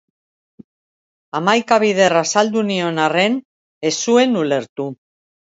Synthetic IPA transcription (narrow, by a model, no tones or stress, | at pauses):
amajkaβ̞iðe̞rasald̪unio̞nare̞n | e̞sue̞nule̞ɾt̪u